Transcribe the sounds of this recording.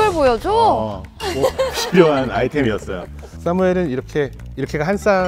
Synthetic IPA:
ɯɭbojʌd͡ʑo | moɕʰijoɦana̰itʰe̞miʌts͈ʌ̰jo̰ | s͈amue̞ɾɯniɾʌkʰe̞ | iɾʌkʰe̞ɡaɦans͈a

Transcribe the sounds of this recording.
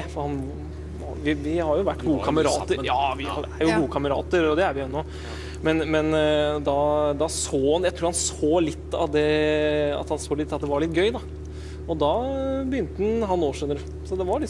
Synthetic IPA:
fɔɾhɑn | ʋɪʋɪhɑɾjʊʋæʈːɡuːəkʰɑməɾɑ̰ːt̪əɾjɑːʋɪæɾjʊɡuːəkʰɑməɾɑ̰ːt̪əɾɔd̪ɛæɾʋɪʊɛnːɔ | mɛnmɛnd̪ɑd̪ɑsoːhɑnjæɪt̪ʰɾuːɾhɑnsoːlɪt̪ːɑ̰ʋd̪ɛ | ɑ̰t̪hɑnsoːlɪt̪ːɑt̪̚d̪ɛʋɑɾɭɪt̪̚ːɡœʏd̪ɑ | ɔd̪ɑbəjʏnt̪əd̪n̩ɦɑnːoːʂʉnəɾ | sɔd̪ɛʋɑɾɭɪ

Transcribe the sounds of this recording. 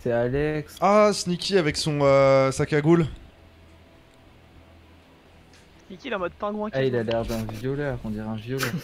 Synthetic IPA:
sɛalɛksasnikʲiavɛksɔ̃øsakʲaɡul | snikʲid̪ãmɔd̪̚p̪ɛ̃ɡwɛ̃ailalɛʁd̪ɛ̃vjɔlœʁɔ̃d̪iʁɛ̃vjɔlœʁ

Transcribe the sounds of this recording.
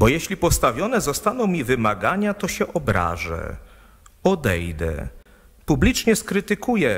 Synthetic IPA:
bɔjɛɕlʲipɔst̪avʲjɔnɛzɔst̪anɔ̃w̃mʲivɘmaɡaɲat̪ɔɕɛʔɔbɾa̰ʐɛ̰ | ɔd̪ɛjd̪ɛ̰ | publʲit͡ʂɲɛskɾɘt̪ɘkujɛ

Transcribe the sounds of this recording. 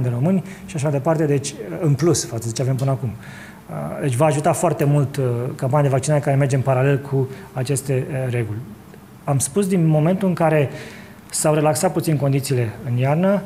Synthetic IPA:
nd̪eɾomɨnʲʃiaʃ̬amajd̪e̞part̪e̞d̪e̞t͡ʃʲɨnplusfat̪səd̪e̞t͡ʃeave̞mpɨnəakum | əd̪e̞t͡ʃʲvaːʒut̪afoart̪e̞mult̪kampanʲijd̪evak̚t͡ʃinaɾe̞kaɾe̞me̞rd͡ʒempaɾale̞lkʰuat͡ʃe̞st̪e̞ɾe̞ɡulʲ | amspus̬d̪inmo̞me̞nt̪uɨŋkaɾe̞ | sawɾe̞laksat̪̚put̪sinko̞nd̪it̪siːle̞ɨnjarnə

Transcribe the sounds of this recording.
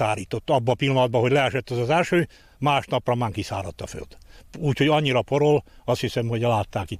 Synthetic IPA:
aːɾiːt̪o̞t̪ːɒbːɒːpilːɒnɒd̪̚bɒɦo̞ɟlɛɛʃɛt̪ːɒzɒzɛlʃøː | maːʃnɒprɒmaːŋkisa̰ːɾɒt̪ːɒfø̰ld̪uːcho̞ɟɒɲːiɾɒpoɾolɒst̪hisɛmho̞ɟlaːt̪ːaːki

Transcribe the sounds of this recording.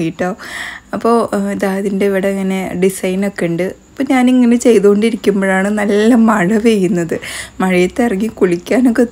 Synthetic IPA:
jiʈːoːɐpːo̞ːd̪aːðindeiʋiɽɐɐŋːɐne̞ɖisɐjno̞kːe̞ɳɖɨɐpːoɲaːniŋːɐne̞t͡ɕe̞jðuoɳɖiɾikʲːumbo̞ːɻaːɳɨnɐlːɐmɐɻɐʋejunːɐðɨmɐɻɐjɐt̪ːeɐriŋːikuɭikʲːaːnokːe

